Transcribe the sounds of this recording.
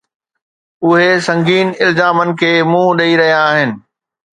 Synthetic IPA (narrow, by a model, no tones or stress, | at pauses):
ʊɦesɐ̃ŋɡiːnɪlzaːmənɪ̆kʰeːmũːɗɐiɾɐɦijaːɦɪnɪ̆